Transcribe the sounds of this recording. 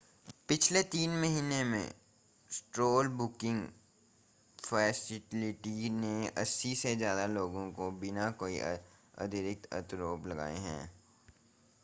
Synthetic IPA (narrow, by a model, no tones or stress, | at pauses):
pɪt͡ʃʰlet̪iːnmɐɦiːnemḛ̃ | sʈɾoːlbʊkɪ̃ŋɡ | fʰɛːsɪʈɪlɪʈineɐsːisezjaːd̪aloːɡõkobɪnakoːiɐ̰d̪ʱɪɾɪk̚t̪ʰɐ̰t̪ɾoːplɐɡa̰ːeɦɛ̰̃ː